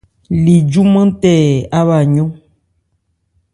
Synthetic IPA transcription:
li˨d͡ʒu˦mə̃˦tɛ˦˨a˦βa˨ɲɔ̃˦

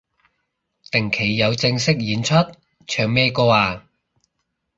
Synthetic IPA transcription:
t̪ɪ˨˩ŋkʰe˨˩jːɐ˨˧wt͡sɪ˧ŋsɪ˥k̚jiː˨˥nt͡ʃʰɵ˥t̚ | t͡ʃʰœː˨˩ŋmɛː˥˧kɔː˧aː˧

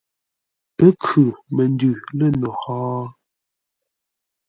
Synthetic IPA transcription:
pə˦kʰʉ˨mə˨n˦dʉ˨lə˦˨nɔ˨hɔː˦

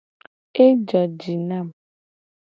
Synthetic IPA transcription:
e˦d͡ʒɔ˨d͡ʒi˨na˦˨m

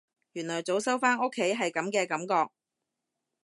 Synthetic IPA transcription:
jyː˨˩nlɔː˨˩jt͡so˨˥wsɐ˥wfaː˥no˥kʰːe˨˥jɦɐ˨jkɐ˨˥mkɛː˧kɐ˨˥mkɔː˧k̚

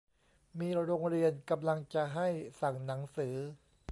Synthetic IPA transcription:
miː˧ɾoː˧ŋɾi˧ənka˧mla˧ŋt͡ɕa˨˩ɦa˥˩jsa˨˩ŋna˩˦ŋsɯː˩˦

